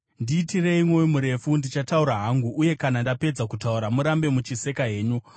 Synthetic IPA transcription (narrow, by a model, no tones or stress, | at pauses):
ndiːtire̞imwo̞imuɾe̞fundit͡ʃatauɾaɦaŋɡuʔːje̞kanandape̞d͡zakutauɾamuɾambe̞mut͡ʃise̞kaɦe̞ːɲu